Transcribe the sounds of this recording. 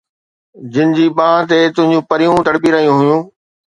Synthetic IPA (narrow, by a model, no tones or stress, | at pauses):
d͡ʑɪnɪ̆d͡ʑiːɓãːt̪̬et̪ʊ̃ɦɪ̃ɲd͡ʑũpɐɾijũt̪ɐɽpiɾɐɦijũɦʊjũː